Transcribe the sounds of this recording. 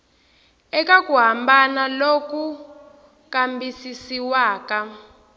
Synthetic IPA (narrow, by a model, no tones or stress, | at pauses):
ɛkakuɦambanaloku | kambisisiwaːka